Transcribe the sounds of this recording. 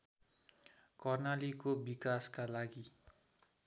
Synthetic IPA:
kʌrnalikobikaskalaɡi

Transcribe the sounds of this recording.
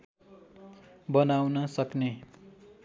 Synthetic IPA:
bʌnawnʌsʌkne

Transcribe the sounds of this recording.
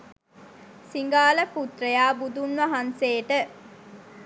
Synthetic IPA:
siŋɡaːləput̪rəjaːbud̪unʋaɦanseːʈə

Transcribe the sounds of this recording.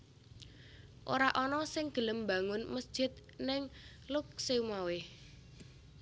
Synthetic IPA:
ʔo̰ɾaʔɔnɔsɪŋɡ̥ə̤ləmba̤ŋʊnməsd̥ʒ̥ɪ̤t̪̚ | nɪŋ | lʊk̚seumawɪh

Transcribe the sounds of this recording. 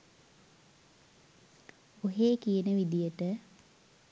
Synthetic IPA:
oɦeːkijənəʋid̪ijəʈə

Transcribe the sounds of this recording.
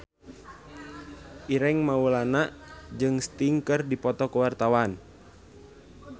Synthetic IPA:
ʔiɾɛŋmaulanaʔd͡ʒɨŋst̪iŋkɨrdipɔt̪ɔkəwart̪awan

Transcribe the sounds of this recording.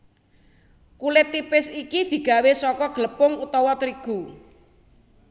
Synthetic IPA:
kulɪt̪ːipɪsikid̪̥i̤ɡ̥ä̤wesɔkɔɡ̥ələpʊŋut̪ɔwɔt̪ɾiɡ̥u

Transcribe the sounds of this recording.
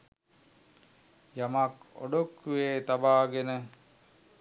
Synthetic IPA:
jamako̰ɖokːuʋeːt̪abaːɡenə

